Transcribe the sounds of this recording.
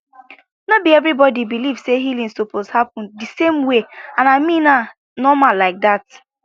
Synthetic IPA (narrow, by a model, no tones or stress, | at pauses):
nobiɛvɾibɔdibiliv̥seɦilĩnsopʰozhapɔ̃ndisemweãnamĩna | nɔmalaɪk̚dat̚